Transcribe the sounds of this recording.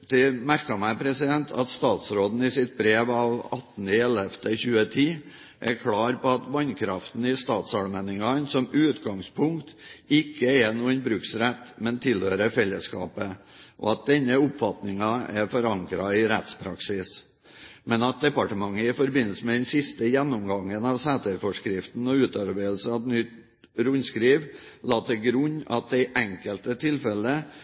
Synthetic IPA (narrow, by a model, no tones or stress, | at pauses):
d̪̥ɛmæɾkɑmæɪpʰɾɛsɪd̪ɛnt̪ʰɑ̰t̪st̪ɑːt̪sɾoːd̪n̩ɪsɪt̪̚bɾeːʋɑːʋɑt̪n̩ɪɛlɛft̪əçʉːət̪ʰiː | ʔɛɾkʰɽɑːɾpɔɑt̪ʋɑnkʰɾɑft̪n̩ɪst̪ɑːt̪sɑɽmɛnɪŋɑnsɔmʉːt̪ɡɑŋspʰʊŋkt̪ɪkːəɛnuːənbɾʉːksɾɛt̪ːmɛnt̪ʰɪlhøːɾəfɛlːəskɑ̰ːpə | ʔɔ̰ɑt̪̚d̪ɛnːəʊpfɑt̪nɪŋɑɛɾfɔɾɑŋkɾɑɪɾɛt̪spʰɾɑ̰ksɪs | mɛnɑt̪̚d̪ɛpɑʈəmɑŋːəɪfɔɾbɪnəl̩səmɛd̪ɛnsɪst̪əjɛnːɔmɡɑŋːənɑʋsæːt̪əɾfɔʂkɾɪft̪n̩ɔʉːt̪ɑɾbɛɪd̪l̩sɑʋnʏt̪ | ɾʊnskɾiːʋlɑːt̪əɡɾʉnːɑ̰t̪̚d̪ɛɪʔɛŋkəlt̪ət̪ʰɪlfɛlə